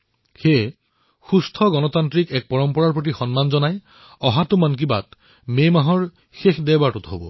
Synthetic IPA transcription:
xe | xustʰɔɡɔnɔtantɹikɛk̚pɔɹɔmpɔɹaɹpɹot̬ixɔnmanzɔnaj | ɔɦatʊmank̬iba̰t | memaɦɔɹ | xexdɛbaɹtutɦobɔ

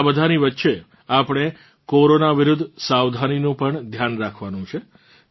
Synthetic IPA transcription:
bəd̪ʱaniʋətːʃe | apɳ̃e | koɾonaʋiɾʊd̪ʱːsawd̪ʱaninũpəɳd̪ʱjanɾakʰʋanũt͡ʃʰe

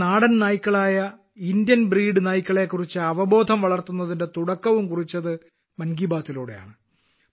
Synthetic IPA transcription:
aːɽɐnnaːjikʲːɐɭaːjɐ | indjɐnbriːɖɨnaːjikʲːɐɭekːurit͡ɕːɨɐʋɐbo̞ːd̪ʱɐmʋɐɭɐrt̪unːɐðinde̞t̪uɽɐkːɐʋumkurit͡ɕːɐðɨ | mɐnɡibaːt̪ːiloːɽeja̰ːɳɨ

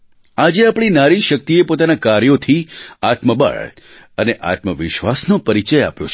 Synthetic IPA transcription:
ad͡ʒeapɳ̃inaɾiʃək̚t̪iepot̪anakaɾjot̪ʰiat̪məbə̰ɭ | əneʔa̰t̪məʋɪʃʋasnopəɾit͡ʃəja̰pjo̰t͡ʃʰ

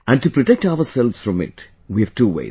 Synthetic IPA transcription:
ʔæ̃ɳɖʈupɾɔʈek̚ʈaʊəɾsɛlʋsfɾɔ̃mɪ̰ʈ | ʋiʋʈuːʋḛɪ

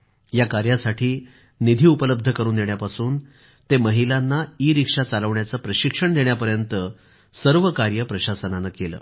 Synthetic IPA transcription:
jakaɾjasaʈʰiː | nid̪ʱiːupələb̚d̪ʱəkəɾuːnd̪eɳ̃japasuːn | t̪eməɦilanːaiːɾikʂat͡saləʋɳjat͡səpɾəɕikʂəɳd̪eɳjapəɾjənt̪ə | səɾʋəkaɾjəpɾəɕasənanakelə̰ː

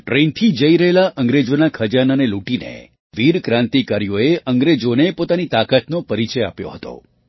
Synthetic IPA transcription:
ʈɾent̪ʰid͡ʒəiɾəɦelaʔə̃ŋɡɾed͡ʒonakʰəd͡ʒananeluʈinḛ | ʋiɾkɾãnt̪ikəɾijoeʔəŋɡɾed͡ʒonepot̪anit̪akət̪nopəɾit͡ʃəja̰pjo̰ɦət̪o̰

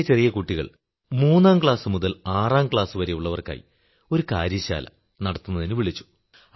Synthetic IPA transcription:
t͡ɕe̞rijɐkuʈːiɣɐ̰ɭ | muːnːaːmkɭaːsɨmuðɐlaːraːmkɭaːsɨʋɐɾejuɭːɐʋɐrka̰ːjḭ | o̞ɾukaːɾjɐɕa̰ːlɐ̰ | nɐɽɐt̪ːunːɐðinɨʋiɭit͡ɕːu̥

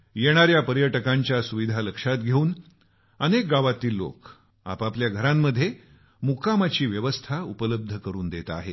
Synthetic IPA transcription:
jeɽ̃aɾjapəɾjəʈəkaɲt͡ɕjasuʋid̪ʱaləkʂat̪ɡʱeuːn | ənek̚ɡaʋat̪iːlːo̰k | a̰papljaɡʱəɾamːəd̪ʱːje | mukamat͡ɕiːʋjəʋəst̪ʰaupələb̚d̪ʱəkəɾuːnd̪et̪a̰ɦe

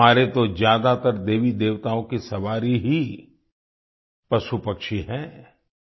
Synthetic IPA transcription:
aːɾet̪od͡ʒjaːd̪at̪əɾd̪eːʋid̪eːʋt̪aːõkisɐʋaːɾiɦi | pɾɐʃupɐkʃiɦɛ̃ː

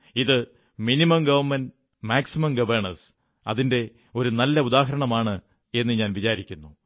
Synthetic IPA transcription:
iðɨ | minimɐmɡɐʋɐrmɐn | maːksimɐmɡɐʋɐrɳɐs | ɐ̰ðinde̞ | o̞ɾunɐlːɐud̪aːɦɐɾɐɳɐmaːɳɨ | e̞nːɨɲaːnʋit͡ɕaːɾikʲːunːu

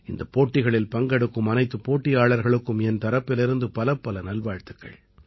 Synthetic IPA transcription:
ɪnd̪ɐpːoːʈːɪɣɐɭɪlpɐŋɡɐɽɯkːɯmɐnɐɪt̪ːɯpoːʈːɪjaːɭɐɾɣɐɭɯkːɯmɛnt̪ɐɾɐpːɪlɪɾɯnd̪ɯpɐlɐpːɐlɐnɐlʋaːɻt̪ɯkːɐ̰ɭ

